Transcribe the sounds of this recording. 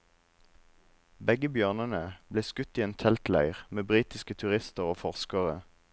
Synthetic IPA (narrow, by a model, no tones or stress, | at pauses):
bɛɡəbjøːʁnənəb̥leːskʉt̪iːeːnt̪ʰɛlt̪læ̰ɪʁmeːbʁiːt̪ɪskət̪ʰʉʁɪst̪əʁoːfɔʁskəʁə